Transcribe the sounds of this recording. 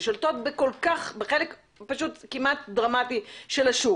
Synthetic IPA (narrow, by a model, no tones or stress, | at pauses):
ʃolt̪o̞t̪̚beko̞lkaχbeχelek | paʃut̪kimat̪̚dʁamatiʃelaʃu